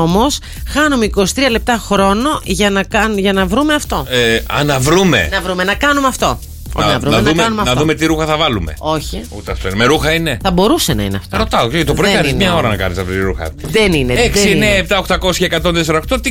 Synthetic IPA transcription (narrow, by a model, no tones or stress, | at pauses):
omo̞s | xɐnumeiko̞si̥t̪ɾiɐle̞p̚t̪ɐxɾo̞no̞ʝɐnɐkɐnʝɐnɐvɾume̞ɐft̪o̞ɐ̰nɐvɾume̞̰nɐvɾumenɐkɐnumeɐft̪o̞̰ | ɐɐvɾunnumeumɐnɐðumet̪iɾuxɐθɐvɐlume̞̰o̞çiut̪eɐft̪oinemeɾuxɐine̞θɐbo̞ɾuse̞nɐ̰ḭneɐ̰ft̪ɾot̪ɐocet̪opɾikɐnizmɲɐo̞ɾɐnɐkɐ̰nisɐfɾit̪iɾuxɐ̰ðenineeksineːp̚t̪ɐoxt̪ɐko̞sçɐekɐt̪o̞nðeseɾɐoxt̪o̞t̪i